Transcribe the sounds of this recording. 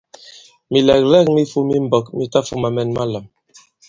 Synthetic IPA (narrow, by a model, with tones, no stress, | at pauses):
mi˨lɛ˨k̚lɛ˦˨k̚mi˦fu˦mi˦m̩˦bɔ˨kmi˦ta˦fu˦ma˨mɛ˦˨nma˦la˨m